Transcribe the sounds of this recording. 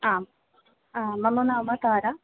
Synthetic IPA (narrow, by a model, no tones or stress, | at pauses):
aːm | amɐmːɐnaːmɐt̪aːɾa